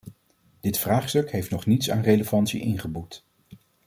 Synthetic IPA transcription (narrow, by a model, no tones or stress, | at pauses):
d̥ɪtfraːχstɵkɦejftnɔχnitsa̰ːnrejləvɑntsḭʔɪnχəbut